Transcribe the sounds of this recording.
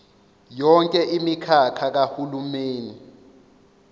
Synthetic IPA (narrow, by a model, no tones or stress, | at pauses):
jɔŋkʼɛʔimikʰakʰak̬ahulumeːni